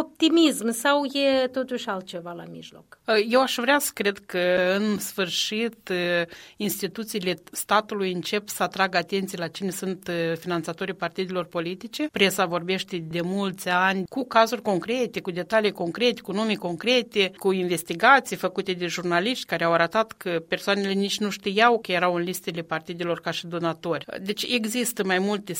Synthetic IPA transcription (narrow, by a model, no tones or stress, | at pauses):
op̚t̪imismsawjet̪o̞t̪uʃʲalt̪̚t͡ʃe̞vala̰mḭʒlo̞kje̞waʃvɾeasə̥kɾe̞d̪kəɨnsfɨrʃit̪ | inst̪it̪ut̪siːle̞st̪at̪ulujɨnt͡ʃe̞psəat̪ɾaɡat̪e̞nt̪sijelat͡ʃine̞sunt̪finant̪sat̪o̞ɾijpart̪id̪elo̞rpo̞lit̪it͡ʃe̞pɾe̞savo̞rbe̞ʃt̪e̞d̪e̞mult̪sʲanʲkukazurʲko̞ŋkɾe̞t̪e̞kud̪e̞t̪alijko̞ŋkɾe̞t̪e̥kunumiko̞ŋkɾe̞t̪e̞kuinve̞st̪iɡat̪sijfəkut̪e̞d̪e̞ʒurnaliʃt̪ʲkaɾeawaɾət̪at̪kʰəpe̞rsoane̞le̞nit͡ʃʲnuʃt̪ijawkəje̞ɾawɨnlist̪ele̞part̪id̪ʲelo̞rkaʃid̪o̞nat̪o̞rʲd̪e̞t͡ʃʲe̞ɡzist̪əmajmult̪e